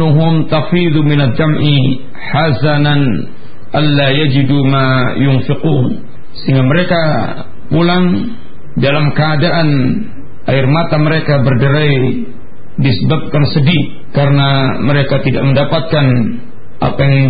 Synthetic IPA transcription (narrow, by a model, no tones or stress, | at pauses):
uɦʊmt̪afiðumɪnadamʔi | ħasanan | ʔanːajad͡ʒidumajʊnfɪquːn | səɦiŋɡaməɾeka | pulaŋ | dalamkəadaʔan | ʔaɪrmat̪aməɾekabərdəɾai | disəbap̚kansədi | kaɾənaməɾekat̪ida̰ʔ̚məndapat̪̚kan | ʔa̰pajaŋ